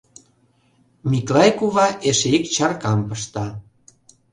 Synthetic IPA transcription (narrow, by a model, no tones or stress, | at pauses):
mʲiklɑjkuβɑʔeʃeekt͡ɕɑrkɑmpəʃt̪ɑ